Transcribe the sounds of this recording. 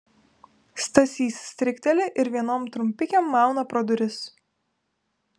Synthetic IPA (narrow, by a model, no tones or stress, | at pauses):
st̪ɐsʲiːsʲsʲt̪ʲɾʲɪkʲt̪ʲɛlʲɪʔɪɾʋʲiɛnoːmt̪ɾʊmʲpʲɪkʲɛmːɑˑʊnɐpɾod̪ʊɾʲɪs